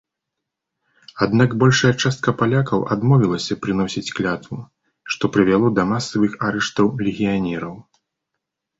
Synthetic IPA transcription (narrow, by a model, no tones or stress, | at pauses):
ad̪naɡbɔlʲʂɐjɐt͡ʂast̪̚kɐpalʲakɐwʔad̪mɔvʲilˠɐsʲɐpɾɨnɔsʲit͡sʲklʲat̪vu | ʂt̪ɔpɾɨvʲalˠɔd̪ɐmasːɐvɨxaɾɛʂt̪ɐwlʲɛɣʲijanʲɛɾɐw